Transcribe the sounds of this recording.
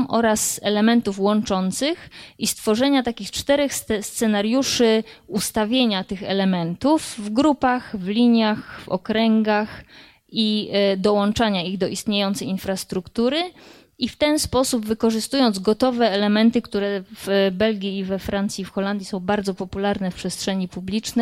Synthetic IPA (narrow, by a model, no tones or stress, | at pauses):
mʔɔɾasɛlɛmɛnt̪ufwɔnt͡ʂɔnt̪sɘxʔist̪fɔʐɛɲat̪akʲixt͡ʂt̪ɛɾɛxsst̪sɛnaɾjuʂɘust̪avʲjeɲat̪ɘxɛ̰lɛmɛnt̪ufːɡɾupaxvlʲiɲjaxfɔ̰kɾɛŋɡax | id̪ɔwɔnt͡ʂaɲaiɣd̪ɔʔist̪ɲejɔnt̪sɛjinfɾast̪ɾukt̪uɾɘ | ift̪ɛnspɔsubvɘkɔʐɘst̪ujɔnzɡɔt̪ɔvɛːlɛmɛnt̪ɘkt̪uɾɛvbɛlɡʲiːvɛfɾant̪sʲifxɔland̪ʲjisɔ̃w̃baɾd̪zɔpɔpulaɾnɛfpʂɛstʂɛɲipublʲit͡ʂnɛ